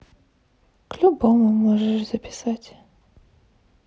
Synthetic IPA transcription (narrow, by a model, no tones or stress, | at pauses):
klʲubomʊmoʐɨʂzəpʲɪ̥satʲ